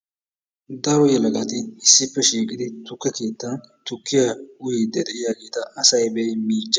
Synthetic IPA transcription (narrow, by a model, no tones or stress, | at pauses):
d̪ɐɾɔjɛlɐɡɐt̪ɪɪsːɪpːɛʃiːkʼɪd̪ɪt̪ʊkːɛke̞ːt̪ːɐnt̪ʊkːɪjaʊjid̪ɛd̪ɛʔɪjaːɡe̞ːt̪ɐʔɐsɐjbɛjmiːd͡ʒːɐ